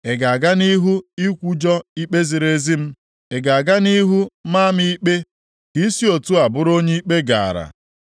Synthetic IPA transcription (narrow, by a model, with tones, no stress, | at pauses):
e˨ɡa˨a˨ɡa˦ni˦ɦu˦i˦kʷu˦d͡ʒɔ˦i˦k͡pe˦zi˨ɾe˦zi˦m̩˦ | e˨ɡa˨a˨ɡa˦ni˦ɦu˦ma˦mi˦i˦k͡pe˦ | ki˦si˦o˨tu˦a˨bʊ˦ɾo˦ɲe˦i˦k͡pe˦ɡa̰˨a̰˨ɾa̰˨